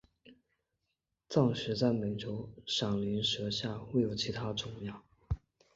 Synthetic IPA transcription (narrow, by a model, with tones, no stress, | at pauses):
t͡sɑ˥˩ŋɕɥɛ˧˥t͡sa˥˩ɪme˨˩ɪʈ͡ʂʰjo˧˥ʊʂɑ˨˩ŋli˧˥nʂɤ˧˥ɕja˥˧we˥˩ɪjo˨˩ʊt͡ɕʰi˧˥t̪ʰa˥ʈ͡ʂʊ˥˩ŋjɑ˥˩